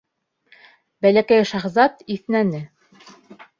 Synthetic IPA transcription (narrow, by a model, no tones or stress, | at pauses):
bælækæjʃɑχzɑt̪iθnænɘ